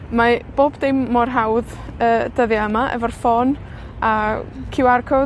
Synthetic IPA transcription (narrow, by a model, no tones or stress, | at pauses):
mab̥oːbdejmːɔrɦawð | əːd̥əðjaəmaʔɛ̰vɔrfɔn | akʰɪwarkʰɔ